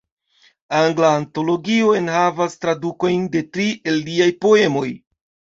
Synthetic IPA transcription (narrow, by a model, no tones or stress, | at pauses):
aŋɡlaːnto̞lo̞ɡio̞enhavastɾaduko̞jnde̞tɾiʔe̞ldiajpo̞e̞mo̞j